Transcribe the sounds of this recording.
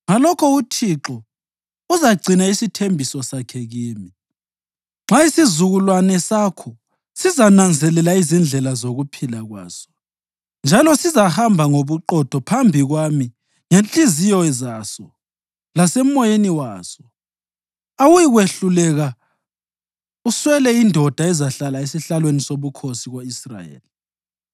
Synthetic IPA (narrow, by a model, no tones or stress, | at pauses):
ŋalɔkʰɔutʰiǁɔ | uzaɡ͡ǀʱinaisitʰembʱisɔsakʰɛɣiːmi | ŋ͡ǁʱaisizuɣulwanɛsakʰɔ | sizanand͡zʱɛlɛlaizind͡ɮʱɛlazoɣupʰilaɣwa̰ːsɔ̥ | nd͡ʒʱalɔsizahambʱaŋoβuǃɔd̥ʱɔpʰambʱiɣwami | ŋent͡ɬʼizijɔzasɔ | lasɛmɔjeniwaːsɔ | awujiɣweɬulɛɣa | uswɛlɛindʱɔd̥ʱaɛzaɬalaesiɬalwenisoβukʰosiɣoisra̰jḛːli